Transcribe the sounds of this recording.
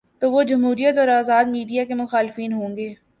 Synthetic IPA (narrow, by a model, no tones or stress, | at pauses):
t̪oːʋod͡ʒɐmɦuːɾijət̪ɔːɾaːzaːd̪miːɖijakemʊxaːlɪfiːnɦõːŋɡeː